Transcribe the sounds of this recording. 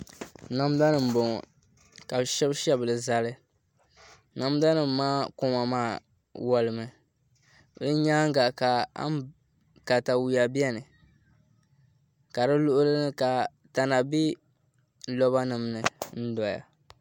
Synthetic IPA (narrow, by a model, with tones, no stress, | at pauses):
na˦m˦da˦nɨ˨m̩˨bo˨ŋ˨ | ka˨bʃɛ˦bʃɛ˦bɨ˨lɨ˨za˨lɨ˦ | na˦m˦da˦nɨ˨m̩˨˦maː˦kʊ˦ma˨maː˦˨ | wɔ˨lɨ˨mɨ˨ | lɨ˦ɲaː˦ŋ̩˦ɡa˨ka˨a̰˦ | ka˨ta˨wu˨ja˨bi˦ɛ˦nɨ˨ | ka˨dɨ˦lʊ˦ʔʊ˦lɨ˦nɨ˦ka˨ | ta˨na˨bi˦ | lɔ˦ba˦nɨ˨m˨nɨ˨n̩˦dɔ˨ja̰˨